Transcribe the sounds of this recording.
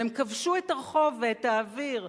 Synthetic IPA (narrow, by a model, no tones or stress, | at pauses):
emkavʃuetaʁeχo̞veetaːviʁ